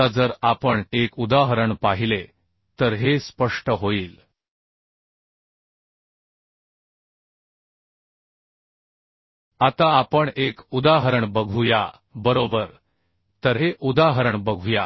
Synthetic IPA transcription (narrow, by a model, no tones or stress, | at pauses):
ad͡zəɾapəɳekud̪aɦəɾəɳpaɦile | t̪əɾɦespəʂʈəɦoiːl | at̪aːpəɳekud̪aɦəɾəɳbəɡʱuja | bəɾobəɾ | t̪əɾɦeʔud̪aɦəɾəɳbəɡʱuja